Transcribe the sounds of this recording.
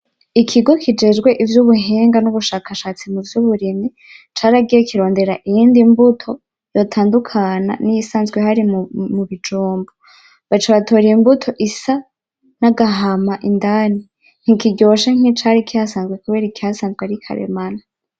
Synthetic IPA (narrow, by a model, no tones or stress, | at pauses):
ikʰiɡo̞kʰid͡ʒe̞d͡ʒɡwe̞ʔivjuβuɦeːŋɡanuβuʃaːkaʃaːt͡simuvjuβuɾimi | t͡ʃaːɾaɡijekiɾo̞ːnde̞ɾaʔijiːndimbutʰo̞ | jo̞tʰaːndukʰana̰nijisaːnzɡweɦaɾimmuβid͡ʒuːmbo | βat͡ʃaβatʰo̞ːɾiimbutʰo̞ʔisa | naɡaɦamaʔindaːni | ŋ̥ikiɟo̞ʃeŋ̥it͡ʃaɾikiasaːnzɡwe̞kuβe̞ːɾikihasaːnzɡweaɾikʰa̰ɾḛmana